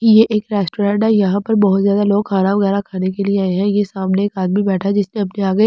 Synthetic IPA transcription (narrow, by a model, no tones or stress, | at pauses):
jeʔeːkɾɛːsʈoːɾɛ̃ːɳʈajɐɦãpɐɾbɔɦʊt̪zjaːd̪aloːɡkʰaːnaʋɐɣɛːɾakʰaːnekelieaːeɦɛ̃jesaːmneeːkaːd̪mibɛːʈʰad͡ʒɪsneɐpneaːɡəe